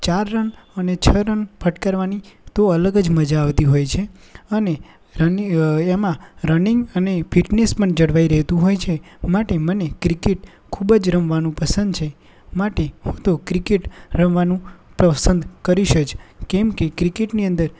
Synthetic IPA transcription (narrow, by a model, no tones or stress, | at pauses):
t͡ʃaɾːənənet͡ʃʰəɾənpʰəʈkaɾʋanit̪oələɡəd͡ʒməd͡ʒaːʋt̪iɦojt͡ʃʰe | əne | ɾənemãɾəniŋɡənefiʈnespəɳd͡ʒəɽʋaiɾəɦt̪ũɦojt͡ʃʰemaʈemənekɾikeʈ | kʰubəd͡ʒɾəmʋanũpəsənd̪̚t͡ʃʰe | maʈeɦõt̪okɾikeʈɾəmʋanũpɾəsənd̪kəɾiʃət͡ʃkɛmkekɾikeʈniə̃nd̪əɾ